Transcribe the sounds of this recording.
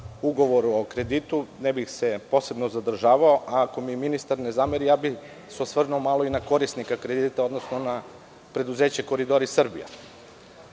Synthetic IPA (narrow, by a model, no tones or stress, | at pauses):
uɡo̞ʋo̞ɾuo̞kɾe̞d̪it̪unebixse̞po̞se̞bnozad̪r̩ʒaːʋaoʔaːko̞miminist̪aɾnezameɾijaːbix | seosʋrnuomalo̞inako̞ɾisnikakɾe̞d̪it̪ao̞d̪no̞sno̞na | pɾe̞d̪uze̞ːt͡ɕeko̞ɾid̪o̞ɾisr̩bḭja̰